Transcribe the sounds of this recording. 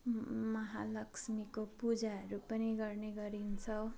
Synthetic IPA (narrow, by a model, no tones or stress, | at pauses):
mʌɦalʌksmikopud͡zaɦʌɾupʌniɡʌrneɡʌɾint͡sʰʌw